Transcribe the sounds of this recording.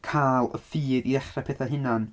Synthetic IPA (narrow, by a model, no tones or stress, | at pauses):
kʰaːlˠə̰fiːðiɛχrapʰɛːθaɦɪnan